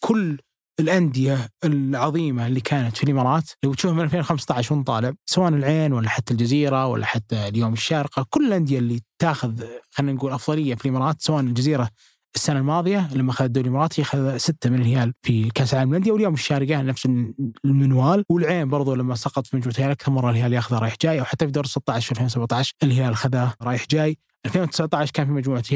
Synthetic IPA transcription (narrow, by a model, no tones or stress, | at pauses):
kʰʊlː | ɪlʔand̪ɪjaɪlʕɑðˤiːmalːikʰaːnat̪filʔɪmɑːɾˤɑːt̪lawɪt̪ʃuːhmɪnalfeːnwlxamst̪aʕɪʃɪnt̪ˤɑːlɪʕsawaːʔnɪlʕeːnwalːaħat̪ːald͡ʒaziːɾawa̰lːa̰ħat̪ːaljoːmɪʃːaːɾɪqakʊlːɪlʔand̪ɪjalːit̪aːxʊðxanːanɡuːlʔɑfðˤɑlɪjːafilʔɪmɑːɾˤɑːt̪sawaːʔnɪld͡ʒaziːɾa | ɪsːanalmɑːðˤɨjalamːaxaðad̪uːljmɑɾˤɑːt̪hixaðasɪt̪ːamɪnɪlhɪjaːlfilkaːsʕaːlmland̪jawɪljoːmɪʃːaːɾɪɡanafsɪlmɪnwaːlwɪlʕeːmbɑɾˤðˤulamːasɑqɑt̪ˤfimad͡ʒmuːʕt̪hjaːlʔakθɑɾˤmɑrˤːɑlhɪjaːljaːxðaɾˤɑːjɪħd͡ʒaːjʔawħat̪ːafid̪oːɾsɪt̪ˤːɑʕɪʃfialfeːnwsabʕt̪ɑʕʃʔɪlhɪjaːlɪlxaðaɾˤɑːjɪħd͡ʒaːj | ʔalfeːnwt̪ɪ̥sʕt̪ˤɑʕɪʃkaːnfimad͡ʒmuːʕt̪j